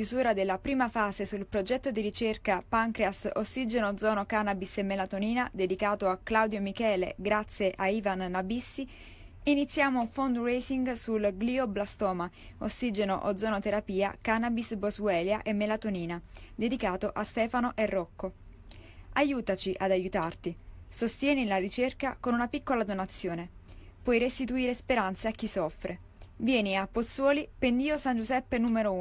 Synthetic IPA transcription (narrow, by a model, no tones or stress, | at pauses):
uzuːɾad̪elːapɾiːmafaːzesulpɾod͡ʒɛt̪ːod̪iɾit͡ʃerkapaŋkɾeaso̰sːid͡ʒenod̪zɔːnokanabisemːelat̪oniːnad̪ed̪ikaːt̪oaklawd̪jomikɛːlḛɡɾat̪sːjeʔaiːvanːabisːi | init̪sːjaːmouɱfond̪rejsiŋɡsulɡliːoblast̪ɔːma | osːid͡ʒenoʔo̰d̪zːɔːnot̪eɾapiːa̰kanabisbozwɛːljaʔemːelat̪oniːnad̪ed̪ikaːt̪oʔast̪ɛːfanoʔerːɔkːo | ajuːt̪at͡ʃiʔad̪ajut̪art̪isost̪jɛːnilarit͡ʃerkakonunapikːolad̪onat̪sːjoːne | pwɔjɾest̪it̪uiːɾespeɾant̪saak̟ːisɔfːɾʔe | vjɛːniapːot̪sːwɔːlipend̪iːosand͡ʒuzɛpːenuːmeɾo